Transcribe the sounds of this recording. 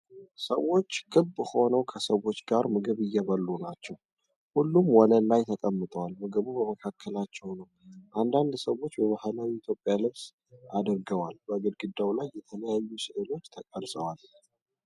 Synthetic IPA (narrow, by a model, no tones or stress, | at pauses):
səwo̞t͡ʃːɡʰɨbːɨho̞nəwkʰəsəwo̞t͡ʃːɡaɾmɨɡɨβɨjːɛβəlːunat͡ʃːɛw | hulːumwɔləlajt̪ʰəkʼəmːɨt̪ʼəwalmɨɡɨβubəməkʰakʰːəlat͡ʃːɛwnəwʔand̪and̪səwo̞t͡ʃːbəβahlawiːt̪ʰjo̞pʼjalɨβs | ʔad̪əɾɡəwalbəɡɨd̪ɡɨd̪ːawlajːɛt̪ʰələjajːusɨʔɨlo̞t͡ʃːt̪ʰəkʼəlsʼəwal